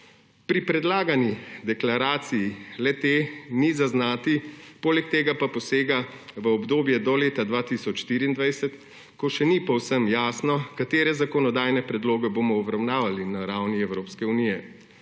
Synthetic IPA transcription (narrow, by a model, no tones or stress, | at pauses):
pɾipɾɛd̪laːɡanid̪ɛklaɾaːt̪sijilɛt̪eːnizaznaːt̪ipoːlɛk̚t̪eːɡapapɔseːɡaʋəɔbd̪oːbjɛd̪ɔleːt̪ad̪ʋaːt̪isɔt͡ʃʃt̪iɾiːnd̪ʋajsɛt̪ | kɔʃɛnipɔwsəmjaːsnɔkat̪eːɾɛzakɔnɔd̪aːjnɛpɾɛd̪loːɡɛboːmɔɔbɾawnaːʋalinaɾawniɛwɾoːpskɛunijɛ